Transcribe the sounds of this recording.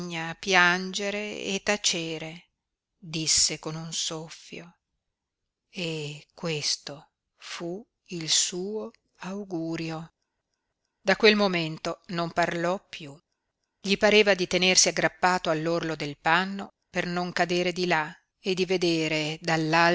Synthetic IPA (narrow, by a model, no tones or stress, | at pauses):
ɲːapjand͡ʒeɾeḛt̪ːat͡ʃeːɾe | d̪isːekonunsofːjo | ekːwest̪o | fu | ilsuːo | awɡuːɾjo | d̪akwelmoment̪onomparlɔpːju | ʎipaɾeːvad̪it̪enersiaɡːɾapːaːt̪oalːorlod̪elpanːo | pernoŋkad̪eːɾed̪ila | ed̪ived̪eːɾed̪alːa